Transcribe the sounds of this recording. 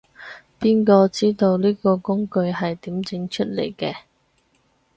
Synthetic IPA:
piː˥nkɔː˧t͡siː˥t̪o˧wliː˥kɔː˧kʊ˥ŋkɵ˧ɥɦɐ˨jt̪iː˨˥mt͡sɪ˨˥ŋt͡ʃʰɵ˥t̚lḛ˨˩jkɛː˧

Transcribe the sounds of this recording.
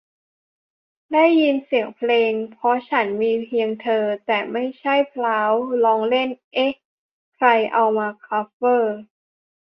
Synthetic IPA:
da˥˩jːi˧nsi˨˩əŋpʰleː˧ŋpʰɔ˦˥t͡ɕʰa˦˥nmiː˧pʰi˧əŋt̪ʰɤː˧t̪ɛː˨˩ma˥˩jt͡ɕʰa˥˩jpʰlaː˦˥wlɔː˦˥ŋle˥˩nʔe˦˥ | kʰɾa˧jʔa˧wmaː˧kʰaː˦˥pːɤː˥˩

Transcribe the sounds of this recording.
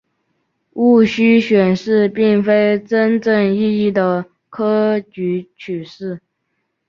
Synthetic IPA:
u˥˩ɕy˥ɕɥɛ˨˩nʂɻ̩˥˧pi˥˩ŋfe˥ɪʈ͡ʂə˥nʈ͡ʂə˥˧ŋi˥˧i˥˩d̪ə˩ | kʰɤ˥t͡ɕy˧˥t͡ɕʰy˨˩ʂɻ̩˥˩

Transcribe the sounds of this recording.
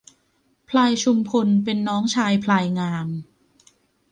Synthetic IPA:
pʰlaː˧jt͡ɕʰu˧mpʰo˧npe˧nːɔː˦˥ŋt͡ɕʰaː˧jpʰlaː˧jŋaː˧m

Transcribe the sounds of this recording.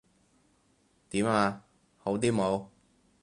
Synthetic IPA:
t̪iː˨˥maː˧ | ho˨˥wt̪̬iː˥mo˨˧w

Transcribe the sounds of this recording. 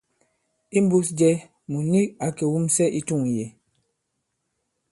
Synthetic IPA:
i˦m˦bu˦sd͡ʒɛ˦ | mu˨ni˦ka˨kɛ˨wu˦msɛ˦ʔi˦tu˦˨ŋ˨jɛ˨

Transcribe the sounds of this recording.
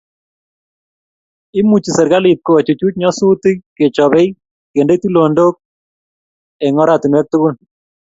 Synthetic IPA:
i˦mu˨t͡ʃi˨sɛ˨ɾka˦li˨t̚ko˨a˨t͡ʃu˨t͡ʃu˦t͡ʃɲɔ˦su˦tɪ˦ke˨t͡ʃɔ˨βɛ˦i | ke˨nde˦ti˦lo˨ndo˦k̚ | ɛ˨ŋɔ˦ɾatɪ˨nwɛ˦k̚tu˦kʊ˦l

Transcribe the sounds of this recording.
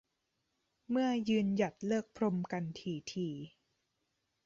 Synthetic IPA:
mɯ˥˩ɐjɯː˧nja˨˩t̪̚lɤː˥˩k̚pʰɾo˧mka˧nt̪ʰiː˧˩t̪ʰiː˧

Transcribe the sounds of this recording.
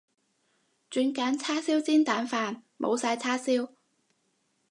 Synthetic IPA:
t͡ʃyː˨˧nkaː˨˥nt͡sʰaː˥siː˥wt͡siː˥nt̪aː˨˥nfaː˧nmʔo̰˨˧wsaː˧jt͡sʰaː˥siː˥w

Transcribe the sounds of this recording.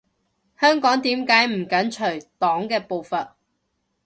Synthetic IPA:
hœː˥ŋkɔː˨˥ŋt̪iː˨˥mkaː˨˥jm̩˨˩kɐ˨˥nt͡ʃʰɵ˨˩ɥt̪ɔː˨˥ŋkɛː˧po˨˧wfɐ˨t̚

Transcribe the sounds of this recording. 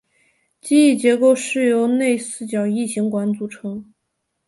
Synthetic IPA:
t͡ɕi˥˧i˥˩t͡ɕjɛ˧˥ko˥˧ʊʂɻ̩˥˩jo˧˥ʊne˥˧ɪsɹ̩˥˩t͡ɕjɑ˨˩ʊi˥˩ɕi˧˥ŋkwa˧˥nt͡su˧˥ʈ͡ʂʰɤ˧˥ŋ

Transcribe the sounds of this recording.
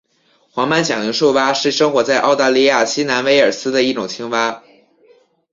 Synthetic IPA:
xwɑ˧˥ŋma˥nɕjɑ˨˩ŋli˧˥ŋʂo˥˩˧ʊpa˥ʂɻ̩˥˩ʂɤ˥ŋxwɔ˧˥t͡sa˥˧ɪʔɑ˥˧ʊt̪a˥˧li˥˧ja˥˩ɕi˥na˧˥nwe˧˥ɪə˞˨˩sɹ̩˥d̪ə˨i˥˩ʈ͡ʂʊ˨˩ŋt͡ɕʰi˥ŋfa˥

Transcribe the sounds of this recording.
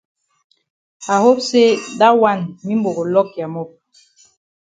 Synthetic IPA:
a˨ho˦pse˦da˦wa˦˨nmi˦mbo˨ɡo˨lɔ˦k̚ja˨mɔ˦˨p̚

